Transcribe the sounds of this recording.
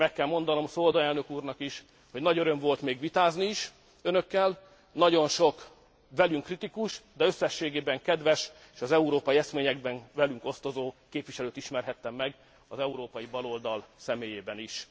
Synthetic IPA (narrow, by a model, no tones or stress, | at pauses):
mɛkːɛlmo̞n̪d̪ɒno̞msold̪ɒɛlnø̞kuːrnɒkiʃ | ho̞ɟnɒɟøɾø̞mvo̞lt̪meːɡʋit̪aːzniːʃ | ønø̞kːɛl | nɒɟo̞nʃo̞k | ʋɛlyŋkrit̪ikuʃd̪ɛø̞sːɛʃːeːɡeːbɛŋkɛd̪ʋɛʃ | eːʃɒzɛuɾoːpɒjiɛsmeːɲɛɡbɛnvɛlyŋko̞st̪o̞zoːkeːpʋiʃɛløːt̪iʃmɛrɦɛt̪ːɛmːɛɡ | ɒzɛuɾoːpɒjibɒlo̞ld̪ɒlsɛmeːjeːbɛniʃ